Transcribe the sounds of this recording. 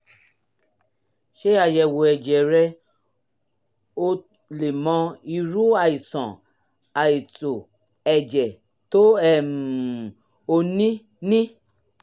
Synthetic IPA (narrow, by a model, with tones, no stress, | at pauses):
ʃe˦a˨jɛ˨wo˨ɛ˨d͡ʒɛ˨ɾɛ˧ | o˦ | le˨mɔ̃˧i˧ɾu˦a˨i˨sɔ̰̃˨ | a˨i˨to˨ | ɛ˨d͡ʒɛ˨ | to˦ɛ˨m˨ | o˧nĩ˦ | nĩ˦